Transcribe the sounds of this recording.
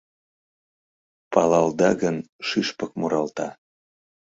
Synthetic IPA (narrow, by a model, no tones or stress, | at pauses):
pɑlɑld̪ɑɣən | ʃyʃpək̚moɾɑlt̪ɑ